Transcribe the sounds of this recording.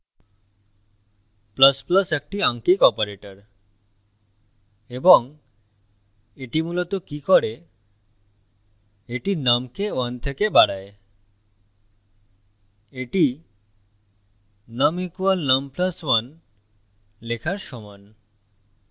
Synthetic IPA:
pləspləsek̚ʈiaŋkikɔpoɾeʈəɾ | eboŋ | eʈimulot̪okikɔɽe | eʈinamkewənt̪ʰekebaɽae | eʈi | nəmikualnəmpləswan | lekʰaɾʃɔman

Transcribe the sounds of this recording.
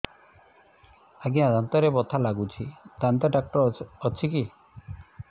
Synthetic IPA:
aɡiad̪ant̪ɔɾebɔt̪ʰalaɡut͡ʃʰit̪ant̪ɔɖak̚ʈɔɾɔt͡ʃʰiki

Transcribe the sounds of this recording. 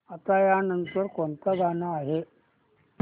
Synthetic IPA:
at̪ajanənt̪əɾkont̪aɡanaːɦe

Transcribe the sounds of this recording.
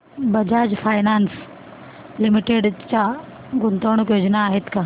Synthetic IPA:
bəd͡ʑad͡ʑfʰaːjnans | limiʈeɖt͡ɕa | ɡunt̪əɳ̃əkjoːd͡ʑnaːɦet̪ka

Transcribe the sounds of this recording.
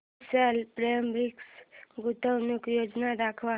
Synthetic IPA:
səlpɾəjəmbiksɡut̪əwnukjod͡ʒnad̪akʰʋa

